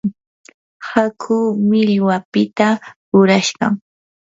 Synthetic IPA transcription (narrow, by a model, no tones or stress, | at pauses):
hakʰuːmɪʎwapɪt̪aɾʊɾaʃɢɑ̰ŋ